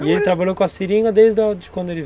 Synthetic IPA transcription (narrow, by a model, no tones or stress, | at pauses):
ielɪt̪ɾabaʎowkõɐsiɾĩŋɡɐd̪ejzd̪ɐd͡ʒɪkwɐ̃nd̪ʊelɪ